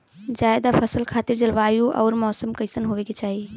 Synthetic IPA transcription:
d͡ʒaːɪd̪afɐsəlkʰaːt̪ɪɾd͡ʑɐlʋaːjũʔɔ̰ːɾmɔːsəmkɐisənɦoʋeket͡ɕaːɦi

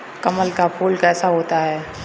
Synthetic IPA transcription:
kɐməlkapʰuːlkɛːsaɦoːt̪aɦɛː

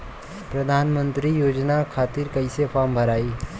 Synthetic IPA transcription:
pɾəd̪ʱanmənt̪ɾiːjod͡ʑnakʰat̪iːɾkəjsefambʱəɾaiː

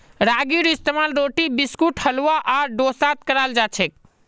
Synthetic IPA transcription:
ɾaɡiɾist̪emalɾoʈibiskuʈhəluaʔaɖosat̪kəɾald͡ʒat͡ʃʰɛk̚

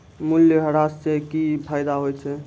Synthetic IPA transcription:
muljəɦəɾassekipʰajd̪aɦojt͡ʃʰɛ

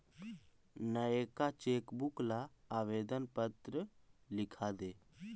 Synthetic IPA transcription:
nəeːkat͡ʃeːkbʊklaaːʋeːd̪ənpət̪ɾəlɪkʰad̪eː

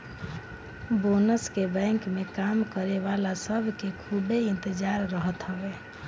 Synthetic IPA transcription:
bonəskebɛ̃ŋkmekamkəɾeβalasəbʱkekʰubeɪ̃nt̪əd͡ʒaɾːəɦət̪ɦəbe

